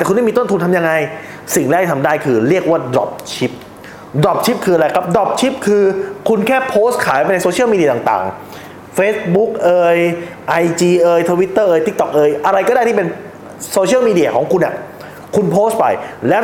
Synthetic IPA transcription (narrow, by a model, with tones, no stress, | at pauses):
t̪ɛː˨˩kʰu˧nːda˥˩mi˧t̪o˥˩nt̪ʰu˧nt̪ʰmja˧ŋa˧j | si˨˩ŋlɛ˦˥˩k̪̚ʰi˧˩t̪ʰa˧mdaː˥˩jkʰɯː˧ɾi˥˩ək̚waː˥˩dɾɔ̰˦˩p̚t͡ɕʰi˦˥p̚ | dɾɔ˨˩p̚t͡ɕʰi˦˥p̚kʰɯː˧ʔa˧ɾa˧jkʰa˦˥p̚dɔ˨˩p̚t͡ɕʰi˦˥p̚kʰɯː˧kʰu˧nkʰɛː˥˩pʰoː˦˥st̪̚kʰaː˨˩˦jpa˧jna˧jsoː˧t͡ɕʰi˦˥˩miː˧di˧˩t̪a˨ŋt̪a̰ː˨˩ŋ | feː˦˥s̚bu˦˥k̚ʔɤː˧j | ʔa˧jt͡ɕiː˧ʔɤː˧jt̪ʰo˧wi˦˥t̪ːɤː˥˩ʔɤː˧jt̪i˦˥k̚t̪ɔ˨˩k̚ʔɤː˧jʔa˧ɾa˧jkɔ˥˩daː˥˩t̪ʰiː˥˩pe˧n | soː˧t͡ɕʰi˥˩miː˧di˧˩a˧kʰɔː˩˦ŋkʰu˧nːʔa̰˨˩ | kʰu˧npʰoː˦˥st̪̚pa̰˧˩jlɛː˦˥